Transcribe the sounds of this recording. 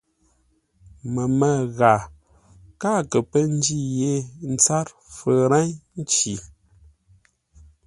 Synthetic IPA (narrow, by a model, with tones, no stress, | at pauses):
mə˨mə˨ɣa˨ | ka˦˨kə˨pə˦n̩˦d͡ʒi˦˨je˦n̩˦t͡sa˦ɾ | fə˨ɾa˦ɲn˦t͡ʃi˨